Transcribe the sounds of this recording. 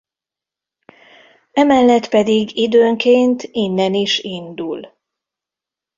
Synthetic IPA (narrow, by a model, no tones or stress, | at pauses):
ɛmɛlːɛt̪pɛd̪iɡid̪øːŋkeːnt̪inːɛniʃind̪ul